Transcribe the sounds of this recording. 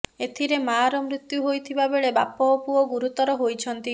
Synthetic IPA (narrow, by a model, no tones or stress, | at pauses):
et̪ʰiɾemaːɾɔmɾit̪juɦojt̪ʰibabeɭeba̰pɔːpuɔɡuɾut̪ɔɾɔɦojt͡ʃʰɔnt̪i